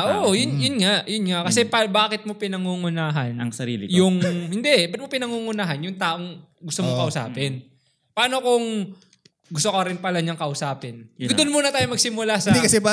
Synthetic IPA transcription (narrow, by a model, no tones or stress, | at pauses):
ʔoʔjʊnjʊnŋaʔjʊnŋaʔkɐsɛpɐbaːkɪt̪̚mopɪnɐŋuːŋʊnaːɦɐnɐŋsɐɾḭːlɪjʊŋhɪnd̪ɛʔbɐt̪̚mopɪnɐŋuːŋʊnaːɦɐnjʊŋt̪aːʔo̞ŋ | ɡʊst̪omokɐʔʊsa̰ːpɪn | pɐaːnokʊŋ | ɡʊst̪okɐɾɪnpɐlɐɲɐŋkɐʔʊsaːpɪnd̪onmuːnɐt̪aːjomɐɡ̚sɪmʊlasɐd̪ikɐsɛba